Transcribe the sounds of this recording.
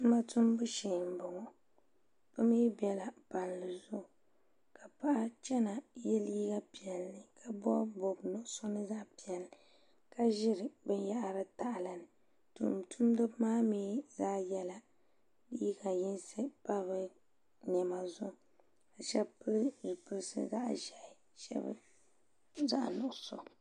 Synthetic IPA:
ma˦tu˦m˦bɨ˦ʃi˨m̩˨bɔ˨ŋɔ˨ | pɨ˦miː˦bɛ˨la˨pa˨nlɨ˨zʊ˦˨ | ka˨pa˦ʔa˦t͡ʃɛ˦na˨jɛ˦liː˦ɡa˦pi˨ɛ˨lːɨ˨kʰa˨bɔ̰˦bo˨bnʊ˦sɔ˦nɨ˦za˦pi˨ɛ˨lɨ˨ | ka˦ʒɪ˦ɾɨ˨bɨ˦n˦ja˦ʔa˨ɾɨ˦ta˨ʔla˨nɨ˨ | tṵ˨mtʰu˦m˦dɨ˦bmaː˦miː˨˦zaː˦jɛ˦la˨ | i˦ɡa˨jɪ˦nsɨ˦pa˦βɨ˦ | ɲɛ˨ma˨zʊ˦˨ | ka˨ʃɛ˦bpɨ˦ɾʒi˨pɨ˦ɾsɨ̰˦za̰˦ʔʒɛ˨ʔɪ˨ | ʃɛ̰˦bɨ̰˦ | za̰˦ʔnʊ˨ʔso˨

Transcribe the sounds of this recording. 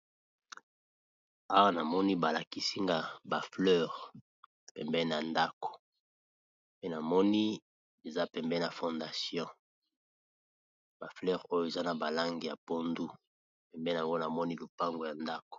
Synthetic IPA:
a˦wa˦na˨mɔ˦ni˦ba˨la˨ki˨si˦ŋɡa˨ba˨flœ˦ʁ | pɛ˨mbɛ˦n˨a˨nda˦ko̥˨ | pe˦na˨mɔ˦ni˦ | e˨za˦pɛ˨mbɛ˦na˨fɔ˨nda˨sjɔ̃˦ | ba˨flɛ˦ʁo˦jo˦e˨za˦na˨ba˨la˦ŋɡi˨ja̰˨po˦ndu˦ | pɛ˨mbɛ˦˨a˨ŋɡo˦na˨mɔ˦ni˦lu˨pa˦ŋɡo˨ja˨nda˦ko̥˨

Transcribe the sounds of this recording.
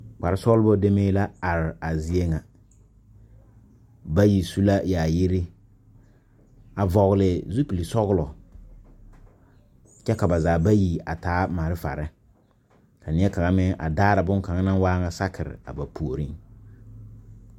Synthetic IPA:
k͡pa˨ɾɪ˦sɔ˦lbɔ˦de˦meː˦la˦a˨ɾɪ˨a˨zi˦e˦ŋa˨ | ba˦ji˨su˦la˦jaː˨jɪ˦ɾɪ˦ | a˨vɔ˨ɣʊ˨lɪ˨zu˦pi˨li˨sɔ˦ɣʊ˦lɔ˨ | t͡ʃɛ˦ka˨ba˨zaː˨ba˦ji˨a̰˨taː˨˦ma˨ɾɪ˦fa̰˨ɾɪ˦ | ka˨nɪ˨˦ɛ˦ka˨ŋa˦mɪ˦ŋʔa̰˨daː˦ɾa˨bʊ˦ŋ˦ka˨ŋa˦nã˦nwaː˦ŋa˨sa˦kʰɪ˨ɾɪ̰˨a̰˨ba˨pʰu˨o˨ɾi˦ŋ

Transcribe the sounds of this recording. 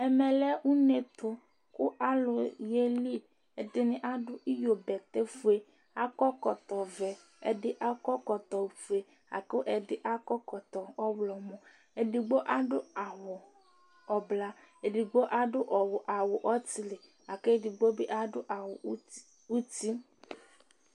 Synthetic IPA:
ɛ˨me˨lɛ˦wu˦ne˨t̪o˦ | kʊ˦ʔa˦lo˨je˦li˦ | e˨dɪ˦nɪ̃˦ʔa˦ɖʊ˦ʔi˦jo˨bɛ˨t̪e˦fu˦e˦ | a˦kɔ˦kɔ˨t̪ɔ˨vɛ˨ | ḛ˨ɖɪ˦ʔa˦kɔ˦kɔ˨t̪ɔ˨wfu˦e˨ | a̰˨ke˦o˦ʔɛ˨ɖɪ˦ʔa˦kɔ˦kɔ˨t̪ɔ˨ɔ˦wlɔ˨mõ˨ | e˨ɖi˨ɡ͡bo˦ʔa˦ɖʊ˦a˨wo˨ | ɔ˨bla˦e˨ɖi˨ɡ͡bo˦ʔa˦ɖʊ˦ʔɔ˨wo˨ʔa˨wo˨ʔɔ˦ti˦le˨ | a˨ke˦di˨ɡ͡bo˦be˦ʔa˦ɖʊ˦ʔa˨wo˨˦ | wu˦t̪i˦

